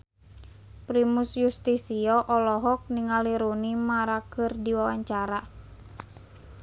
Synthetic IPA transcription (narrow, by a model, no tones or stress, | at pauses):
pɾimusjust̪isiɔʔɔlɔɦɔk̚niŋaliɾunimaɾakɨrdiwawaɲt͡ʃaɾa